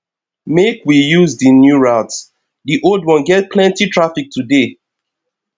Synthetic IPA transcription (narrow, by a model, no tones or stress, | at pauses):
mekwijuzdinjuɹaʊts | diʔoldwɔ̃nɡɛt̚pʰlɛ̃ntitʰɹafik̚tʰude